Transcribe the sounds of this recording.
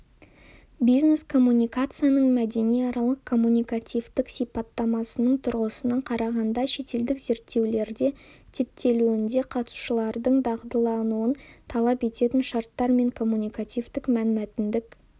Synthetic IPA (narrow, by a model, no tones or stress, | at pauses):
bijzne̞skʰo̞mːunʲijkat̪sɨjanəɴmæd̪e̞nijɑɾɑlˠəq̚kʰo̞mːunʲijkat̪ʲijvt̪ɪksijpɑt̪ːɑmɑsənəɴt̪ʰʊɾʁəsənɑqʰɑɾɑʁɑnd̪ɑʃe̞t̪e̞ld̪ɪkze̞ɾt̪ːe̞wle̞ɾd̪e̞t̪ʰe̞p̚t̪ʰe̞luɪnd̪e̞qʰɑt̪ə̥su̥ʃəlˠɑɾd̪əɴd̪ɑʁd̪əlˠɑnuənt̪ʰɑlˠɑpe̞t̪e̞t̪ɪnʃɑɾt̪ːɑɾme̞ŋkʰo̞mːunʲijkat̪ʲijvt̪ɪkmænmæt̪ɪnd̪ɪk